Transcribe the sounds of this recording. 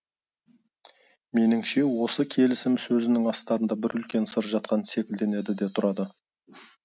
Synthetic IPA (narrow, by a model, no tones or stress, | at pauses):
me̞nɪŋʃe̞wo̞səkʲʰe̞lɪsɪmsɵzɪnɪŋɑst̪ɑɾənd̪ɑbɪɾʏlkʲe̞nsəɾʒɑt̪̚qɑnse̞kʲɪld̪e̞ne̞d̪ɪd̪et̪ʰʊɾɑd̪ə